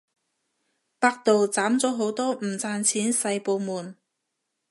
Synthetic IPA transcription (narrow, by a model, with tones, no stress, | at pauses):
paː˧k̚t̪o˨wt͡saː˨˥mt͡sɔː˨˥ɦo˨˥wt̪ɔː˥m̩˨˩t͡saː˧nt͡sʰiː˨˥nsɐ˧jpo˨˧wmuː˨˩n